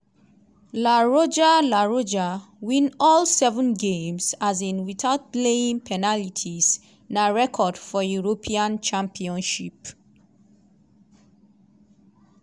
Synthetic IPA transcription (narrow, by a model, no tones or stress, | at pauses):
laɹod͡ʒalaɹod͡ʒa | wĩnɔlsɛvə̃nɡẽmsazĩnwiθaʊt̚leĩŋpʰɛnalitʰis | naɹɛkʰɔdfɔjuɹopʰiãnt͡ʃãmpʰiɔ̃nʃip